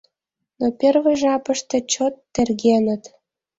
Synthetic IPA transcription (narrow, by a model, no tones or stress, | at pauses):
nopʲĕrvĕʒɑpɤ̆ʃt̪ɤ̆t͡ɕot̪ːĕrɣenə̆t̪